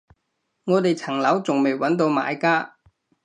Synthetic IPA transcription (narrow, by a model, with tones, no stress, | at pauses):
ŋɔː˨˧t̪e˨jt͡sʰɐ˨˩ŋlɐ˨˥wt͡sʊ˨ŋme˨˩jwɐ˨˥nt̪o˧wma̰ː˨˧jkaː˥